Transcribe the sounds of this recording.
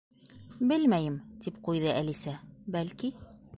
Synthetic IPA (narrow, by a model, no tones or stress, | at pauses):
bɘlmæjɘmt̪ipqujðɤʔælisæbælki